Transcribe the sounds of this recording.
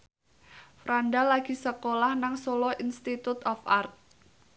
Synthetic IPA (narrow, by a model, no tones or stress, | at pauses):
fɾaɳɖalaɡ̥i̤səkolahnaŋsolɔʔinst̪it̪ut̪ɔfart̪̚